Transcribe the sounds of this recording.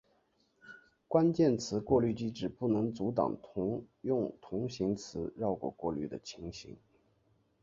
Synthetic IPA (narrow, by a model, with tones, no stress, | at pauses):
kwa˥nt͡ɕjɛ˥˩nt͡sʰɹ̩˧˥kwɔ˥˧ly˥˩t͡ɕi˥ʈ͡ʂɻ̩˥˩pu˥˩nɤ˧˥ŋt͡su˧˥t̪̬ɑ̰˨˩ŋ˧˥jʊ˥˩ŋt̪ʰʊ˧˥ŋɕi˧˥ŋt͡sʰɹ̩˧˥ɻɑ˥˩ʊkwɔ̰˨˩kwɔ˥˧ly̰˥˩d̪ə̰˩t͡ɕʰi˧˥ŋɕḭ˧˥ŋ